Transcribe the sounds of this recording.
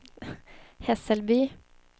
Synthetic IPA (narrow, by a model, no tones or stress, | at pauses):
hɛsəlbyː